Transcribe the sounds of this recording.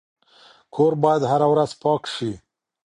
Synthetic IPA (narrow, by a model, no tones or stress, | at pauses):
kʰoɾbɑjad̪haɾawɾaz̥pɑkʃi